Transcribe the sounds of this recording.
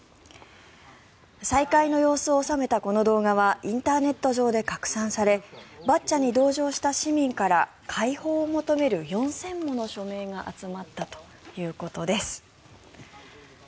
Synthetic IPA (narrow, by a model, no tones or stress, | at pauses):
saikaino̞jo̞ːsɨoːsame̞t̪ako̞no̞d̪o̞ːɡaβaʔĩnt̪aːne̞t̪ːo̞ʑo̞ːd̪e̞kakɯ̟̥sãɰ̃saɾe̞batt͡ɕːaɲ̟id̪o̞ːʑo̞ːɕi̥t̪aɕimʲĩŋkaɾa | kʰaiho̞ːmo̞t̪o̞me̞ɾɯ̟jõ̞ɰ̃sẽ̞mːo̞no̞ɕo̞me̞ːɡaʔa̰t͡sɨmat̪ːat̪o̞̥ | jɯ̟ːko̞t̪o̞d̪e̞sɨ̥